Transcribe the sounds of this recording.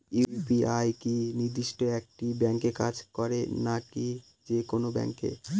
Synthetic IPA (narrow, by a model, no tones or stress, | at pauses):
ipiajkiniɾd̪iʃʈoek̚ʈibɛŋkeka̰d͡ʑkɔɾenaki | d͡ʑekonobɛ̰ŋkḛ